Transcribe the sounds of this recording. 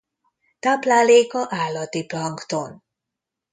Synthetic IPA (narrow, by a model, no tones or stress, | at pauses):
t̪ablaːleːkɒʔaːlːɒt̪iplɒŋkt̪on